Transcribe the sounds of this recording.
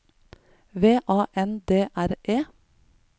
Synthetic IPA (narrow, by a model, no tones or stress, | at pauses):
ʋeːʔɑːʔɛnd̪eːʔæɾʔeː